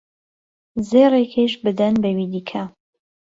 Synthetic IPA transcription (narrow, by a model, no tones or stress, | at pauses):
zeːrekʰeʃbɨd̪ɐnbɐwid̪iːkʰa